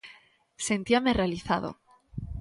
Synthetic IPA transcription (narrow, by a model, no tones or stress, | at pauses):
se̞nt̪iamerealiθaðo̰